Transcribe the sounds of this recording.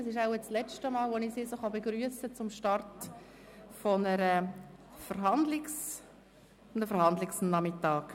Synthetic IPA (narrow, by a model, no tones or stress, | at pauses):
ɛsɪʃaʊɛt͡sslɛt͡ʃtəmɑːlʋonisisoχɑbeɡɾyəsət͡sʊmʃtɑrt | fɔnəɾəfəɾɦɑndlɪks | nəfəɾhɑnd̪lɪksnɑmɪtːɑːk